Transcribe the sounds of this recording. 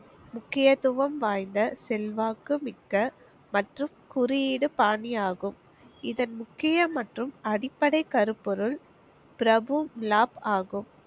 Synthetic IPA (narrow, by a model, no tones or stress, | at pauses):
mʊkːɪjɐt̪ʊʋɐmʋaːjnd̪ɐsɛlʋaːkɯmɪkːɐ | mɐʈrɯmkʊɾɪjiːɽɯpaːniaːɣɯm | ɪðɐnmʊkːɪjɐmɐʈrɯmɐɽɪpːɐɽɐɪkɐɾɯpːɔɾɯl | pɪɾɐbɯmlaːpaːɣɯm